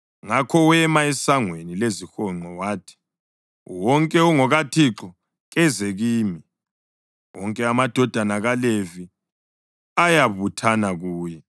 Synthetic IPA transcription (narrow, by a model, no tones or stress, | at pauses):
ŋakʰɔwɛmaɛsaŋwenilezixɔŋ͡ǃɔwaːtʰi̥ | wɔŋkʼɛuŋɔɣatʰiǁɔ | ɣɛzɛɣiːmi | wɔŋkʼɛamad̥ʱɔd̥ʱanaɣalevi | ajaβutʰanaɣuːjɛ